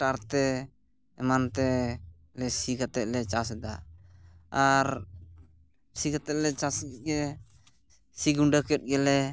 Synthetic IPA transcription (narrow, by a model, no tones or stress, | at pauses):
ʈaɾt̪ɛ | ɛmant̪ɛ | lɛsikat̪ɛʔ̚lɛt͡ʃasɛd̪a | aɾ | sikat̪ɛʔ̚lɛt͡ʃaskɛt̪̚ɡɛ | siɡuɳɖakɛt̪̚ˀɡɛlɛ